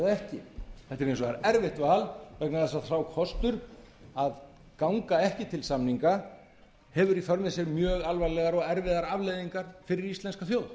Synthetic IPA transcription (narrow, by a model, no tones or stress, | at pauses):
ðɛhcɪθɛht̪ːɪɾẽjnsɔɣaɾɛɾvɪht̪vaːlvɛknaθɛsaθrawkʰɔst̪ʏɾ | að | kawŋkaɛhcɪt̪ʰɪlsamniŋka | hɛvʏɾifœɾmɪsɛɾmjœːɣalvajlɛɣaɾɔɣɛɾvɪðaɾavlejðiŋkaɾ̥fɪɾɪɾist̪ɛnskafjoːwð